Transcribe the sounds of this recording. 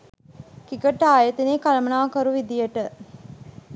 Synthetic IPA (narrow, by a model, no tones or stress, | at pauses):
kikəʈaːjət̪ineːkaləmənaːkəɾuʋid̪ijəʈə